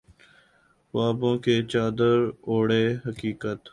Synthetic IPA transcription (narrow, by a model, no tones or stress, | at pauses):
waːbõːkeːt͡ʃaːd̪əɾoːɽeːɦəkiːkət̪